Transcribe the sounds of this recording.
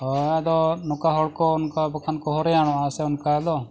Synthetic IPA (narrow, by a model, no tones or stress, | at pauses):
ɔad̪ɔnɔkaɦɔɭkɔunkabɔkʰankɔɦɔɾɛjaɽ̃ɔ̃asɛʊnkaad̪ɔ